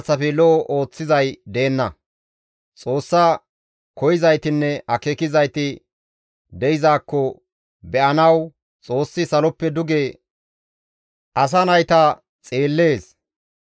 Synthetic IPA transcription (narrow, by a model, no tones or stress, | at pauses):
t͡sːɐfɛlɔʔɔʔo̞ːt͡sːɪzɐjd̪e̞ːnːɐ | t͡sʼo̞ːsːɐ | kɔjɪzɐjt̪ɪnːɛɐkekɪzɐjt̪ɪ | d̪ɛjɪzaːkːɔ | bɛʔɐnɐw | t͡sʼo̞ːsːɪsɐlɔpːɛd̪ʊɡeː | ʔɐs̬ɐnɐjt̪ɐ | t͡sʼeːlːe̞ːs